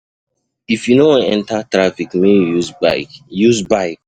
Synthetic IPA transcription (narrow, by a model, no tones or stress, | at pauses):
ifjunoãnɛ̃ntatɹafikmẽjuzba̰ɪkjuzbaɪk̚